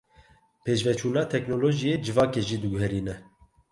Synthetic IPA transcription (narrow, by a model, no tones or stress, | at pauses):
pʰeːʃvɛt͡ʃʰuːnɑːt̪ʰɛknoːloːʒijeːd͡ʒɨvɑːkeːʒiːd̪ɨɡʊɦɛɾiːnɛ